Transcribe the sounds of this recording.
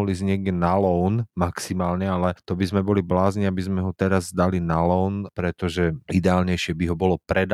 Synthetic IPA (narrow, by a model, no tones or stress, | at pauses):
ɔlizɲɪɛɡdɛnalɔnmaksimaːlɲɛalɛt̪ɔbizmɛbɔliblaːzɲiabizmɛɦɔt̪ɛɾazːd̪alinalɔʊnpɾɛt̪ɔʒɛid̪ɛaːlɲɛjʃɪɛbiɦɔbɔlɔpɾɛd̪